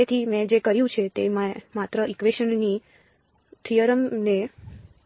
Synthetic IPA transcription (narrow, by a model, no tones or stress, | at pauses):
et̪ʰimɛ̃d͡ʒekəɾjũt͡ʃʰet̪emãmat̪ɾəʔikʋeʃənni | t̪ʰijəɾəmne